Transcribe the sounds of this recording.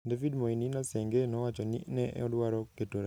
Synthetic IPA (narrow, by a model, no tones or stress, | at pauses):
dafidmoininasɛŋɡenɔwat͡ʃɔninɛʔɛ̰ɔdwaɾɔketoɾa